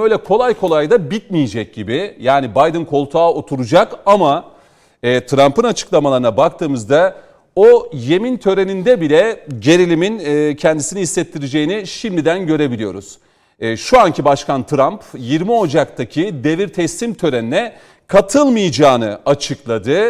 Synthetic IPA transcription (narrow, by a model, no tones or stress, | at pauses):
ø̞jlʲɛkʰo̞lˠajkʰo̞lˠajd̪abit̪̚mijid͡ʒɛc̚ɟibɪjaːnibajd̪ɯnkʰo̞lˠt̪ʰaːo̞t̪ʰuɾud͡ʒakama | ɛːt̪ʰɾampɯnat͡ʃʰɯ̥klˠamalˠaɾɯnabak̚t̪ʰɯːmɯzd̪a | oje̞mint̪ʰø̞ɾenind̪ɛbilʲɛɟe̞ɾilʲiminːcʰɛnd̪isiniɦisːɛt̪ʰːiɾid͡ʒe̞jiniʃimd̪id̪ænɟø̞ɾe̞bilʲijo̞̰ɾṵz̥ː | ʃuancʰibaʃkant̪ʰɾampjiɾmio̞d͡ʒak̚t̪ʰacʰid̪e̞viɾt̪ʰɛst̪imt̪ʰø̞ɾeninɛ | kʰat̪ʰɯlˠmɯjd͡ʒaːnɯat͡ʃʰɯklˠad̪ɯ